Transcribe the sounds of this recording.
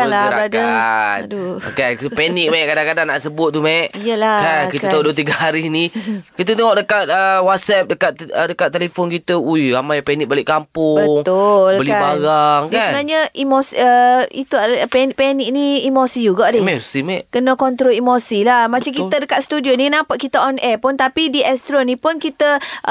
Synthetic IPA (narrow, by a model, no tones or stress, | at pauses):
kalabəɾadandukankiupɛnik̚majʔkadaŋkadaŋnaʔsəbʊt̪̚ːumaʔijəlakankit̪ət̪auduət̪iɡaɦaɾinikit̪ət̪əŋɔʔdəkat̪̚əwat̪̚sɛp̚dəkat̪ədəkat̪̚ːelefɔnkit̪əuiɾamajpɛnik̚balɪʔkampʊbəŋt̪ʊlbəliabaɾaŋkasnaɲəimosiəit̪uapɛnʔpɛniʔ̚niimosid͡ʒuɡaʔdɪmɛust̪imɛʔkənəkɔnt̪ɾoimosilamat͡ʃaŋk̬it̪ədəkat̪̚st̪udioninãpaʔ̪̚kit̪əɔnʔɛpʊnt̪apidiʔɛst̪ɾonipʊnkit̪ə